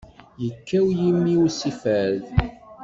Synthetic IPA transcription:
jəkːæwjimːiwsifæð

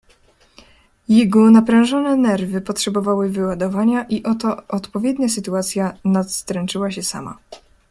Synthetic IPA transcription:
jɛɡɔnapɾɛ̃w̃ʐɔnɛnɛɾvɘpɔtʂɛbɔvawɘvɘwad̪ɔvaɲaʔiʔɔt̪ɔʔːt̪pɔvʲjɛd̪ɲasɘt̪uat̪sʲjanat̪st̪ɾɛnt͡ʂɘwaɕɛsa̰ma̰

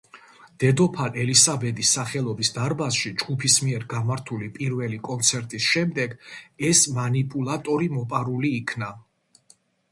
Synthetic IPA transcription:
d̪̥ɛd̪ɔpʰalɛlisabɛd̪isːaχɛlˠɔbisd̪aɾbasʃid͡ʒɡupʰismiɛɾɡamaɾt̪ʰulipʼiɾvɛlikʼɔnt̪sʰɛɾt̪ʼisʃɛmd̪ɛɡɛsmanipʼulˠat̪ʼɔɾimɔpʼaɾuliːkʰna

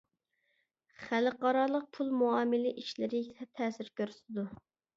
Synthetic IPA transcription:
χælɨqɑɾɑlˠəq̚pʰulˠmuɑːmɪlɪʔiʃlɪɾɪt̪ʰɛt̪ʰɛːsɪɾkʲøɾysɪd̪u

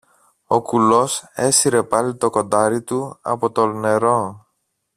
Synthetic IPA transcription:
o̞kulo̞se̞siɾe̞pɐlit̪o̞ko̞nd̪ɐɾit̪uɐ̰po̞t̪o̞ne̞ɾo̞

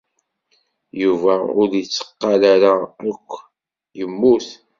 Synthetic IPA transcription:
juvæʊɾjət͡sːə̥qːɑlaɾaækʷʰː | jəmːuθ

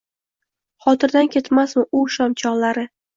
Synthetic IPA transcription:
χɒt̪ɪɾd̪ankʲe̞t̪masmɪʔʊʃɒmt͡ʃʰɒʁlaɾɪ

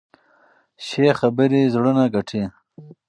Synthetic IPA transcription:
ɕexabəɾizɽunaɡaʈʰe

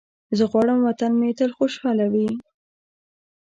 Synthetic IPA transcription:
zəɣwɑɽəmwat̪anmet̪əlxoʃɑlawi

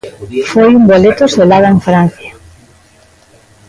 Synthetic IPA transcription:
fojumbolet̪oselaɣ̞aeɱfɾan̟θja

